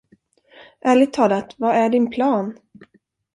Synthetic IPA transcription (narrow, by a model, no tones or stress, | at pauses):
ʔæːɭɪt̪ʰɑːlat̪vaæɖɪnpʰlɑːn